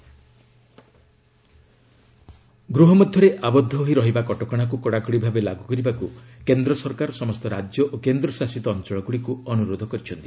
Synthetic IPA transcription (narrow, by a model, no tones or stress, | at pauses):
ɡɾuɦɔmɔd̪ʱjɔɾeʔabɔd̪ʱːɔoɦiɾɔɦibakɔʈɔkɔɽ̃akukɔɽakɔɽibʱabelaɡukɔɾibakukend̪ɾɔsɔɾkaɾɔsɔmɔst̪ɔɾad͡ʒjɔʔokend̪ɾɔsasit̪ɔːnt͡ʃɔɭɔɡuɽikuɔnuɾod̪ʱɔkɔɾit͡ʃʰɔnt̪i